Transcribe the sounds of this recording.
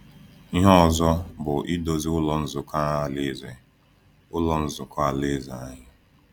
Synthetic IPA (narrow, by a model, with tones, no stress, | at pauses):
i˦ɦɔ˦˨zɔ˦bʊ˨ʔi˦do˨zi˦ʊ˦lɔ˨n̩˦zʊ˨ka˦a˦˨le˦ze˨ | ʊ˦lɔ˨n̩˦zʊ˨ka˨le˦za̰˨a˦ɲɪ˦